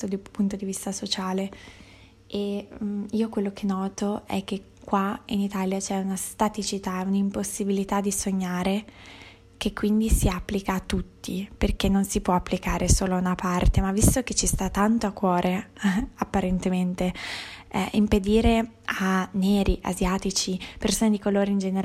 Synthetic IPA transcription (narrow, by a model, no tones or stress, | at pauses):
od̪ipunt̪od̪ivist̪asot͡ʃaːle | eiːokwelːok̟ʰenːɔːt̪oɛ̰k̟ːe | kːwainit̪aːljat͡ʃɛunast̪at̪it͡ʃit̪aɛunaimposːibilit̪ad̪isoɲːaːɾe | k̟ekːwind̪isiapːlikaːt̪ːut̪ːiperk̟enːonsipwɔapːlikaːɾesoːlounapart̪emavːist̪ok̟et͡ʃːist̪at̪ːant̪oakːwɔːɾʔeapːaɾent̪ement̪e | imped̪iːɾe | anːeːɾiʔa̰zjaːt̪it͡ʃipersoːned̪ikoloːɾeind͡ʒeneɾ